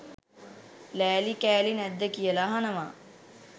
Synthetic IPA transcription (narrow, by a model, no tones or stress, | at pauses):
læːlikæːlinɛd̪ːəkijəlaɦanəʋa